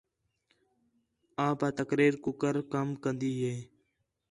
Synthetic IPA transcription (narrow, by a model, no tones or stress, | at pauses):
ãːpaːt̪əkɾiːɾkʊkəɾkəmkənd̪iːɦeː